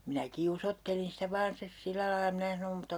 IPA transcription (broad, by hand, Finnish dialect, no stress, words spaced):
minæ kiusotːelin sĭtæ ʋɑːn stes silːæ lɑi mĭnæ sɑnom mutːɑ